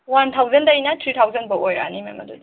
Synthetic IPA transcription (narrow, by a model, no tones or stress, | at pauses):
want̪ʰawzɐndajnatʰɾit̪ʰawzɐnbɐʔojɾa̰nimemɐ̰dud